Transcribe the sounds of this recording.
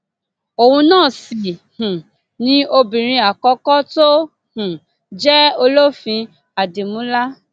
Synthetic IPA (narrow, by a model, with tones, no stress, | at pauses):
o˨hũ˧nãː˦˨si˨h̩˨ | nĩ˦ʔo˧bĩ˨ɾ̃ĩ˧a˨kɔ˨˦kɔ˦to˦ | hũ˨ | d͡ʒɛ˦o˧lo˦fĩ˧ | a˨di˨mũ˨˦la˦